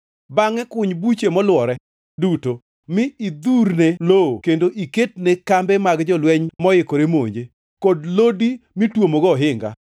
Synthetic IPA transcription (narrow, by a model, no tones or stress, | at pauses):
baŋɛkʊɲbut͡ʃemɔlwɔɾɛ | duto | mɪid̪uɾnelookendoʔiket̚nɛkambɛmaɡd͡ʒɔlwɛɲmɔjɪkoɾemo̰ɲd͡ʒe | kodlodimitwomoɡɔɦɪŋɡa̰